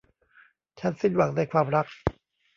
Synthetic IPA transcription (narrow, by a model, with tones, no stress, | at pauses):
t͡ɕʰa˦˥nsi˥˩nwa˨˩˦ŋna˧jkʰwaː˧mɾa˦˥k̚